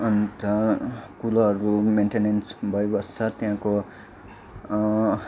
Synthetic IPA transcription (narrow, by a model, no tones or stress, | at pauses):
ʌnt̪ʌkulʌɾumenʈenensbʱʌjebʌst͡sʰʌt̪jãko